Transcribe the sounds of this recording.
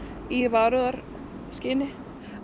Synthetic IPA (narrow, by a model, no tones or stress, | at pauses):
iɾvaɾʏðaɾ | scɪnɪ